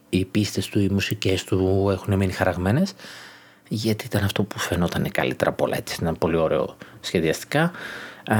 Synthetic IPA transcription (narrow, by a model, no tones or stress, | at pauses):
ipist̪e̞st̪uimusice̞st̪ue̞xune̞minixɐɾɐɣme̞ne̞s | ʝɐt̪iit̪ɐnɐft̪o̞pufe̞no̞t̪ɐnekɐ̰lḭt̪e̞ɾɐpo̞lɐ̰e̞t͡si̥sit̪ɐnpo̞lio̞ɾe̞̰o̞̰sçe̞ðiɐst̪i̥kɐ